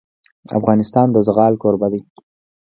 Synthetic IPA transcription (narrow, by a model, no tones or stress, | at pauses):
a̰fɣɑnɪst̪ɑnd̪əzɣɑlkoɾbad̪i